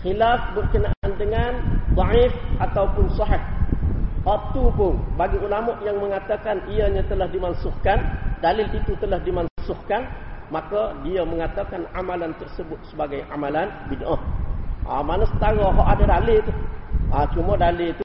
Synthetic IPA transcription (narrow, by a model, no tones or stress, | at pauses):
xilafbərkənaʔandəŋand̪ˤɑʕɪfʔat̪awpʊnsɑħɪh | waʔt̪upʊnbaɡiulamɔʔjaŋməŋat̪akaniəɲat̪əlahdimansʊhkandalɪlit̪ut̪əlahdimansʊhkanmakədiəməŋat̪akanamalant̪ərsəbʊt̪̚səbaɡajʔamalanbinʔaʔa̰manəsət̪aɣaɦɔʔadadalɪlt̪uʔat͡ʃumədalɪlt̪u